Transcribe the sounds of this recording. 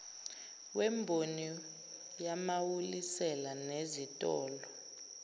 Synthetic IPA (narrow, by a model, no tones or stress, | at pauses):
wɛmbʱoni | jamawulisɛlanezitʼɔːlɔ